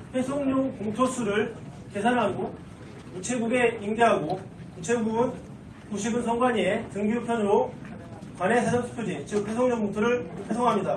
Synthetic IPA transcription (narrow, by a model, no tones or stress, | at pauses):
pʰesʰoŋɲoŋkoŋtʰosʰuɾɯɭ | ke̞sʰanɦaɡo | kut͡ɕʰeɡuɡe̞imɡeɦaɡo | kut͡ɕʰeɡuɡɯn | kuɕʰibɯnsʰʌŋɡwaɲietɯŋɡiupʰjʌnɯɾo | kwanesʰed͡ʑʌsʰɯ̥pʰod͡ʑit͡ɕɯk̚pʰesʰoŋɲʌŋmutʰoɾɯɭpʰesʰoŋɦamɲida